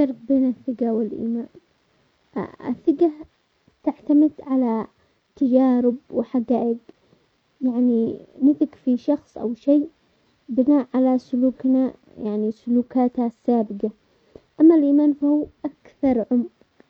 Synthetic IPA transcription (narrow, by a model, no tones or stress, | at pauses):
ʃɑɾˤbbeːnɪθːɪɡawɪlʔḭːmaːn | ɪ̰θːɪɡa | t̪ɪʕt̪amɪd̪ʕala | t̪ad͡ʒaːɾɪbwɪħaɡaːʔɪɡ | jaʕninɪθɪkfiʃɑxsˤʔa̰wʃeː | bɪnaːʔʕalasʊluːkna | jaʕnisʊluːkaːt̪hasːaːbɪqa | ʔamːalʔiːmaːnfahuːʔakθɑɾˤʕʊmq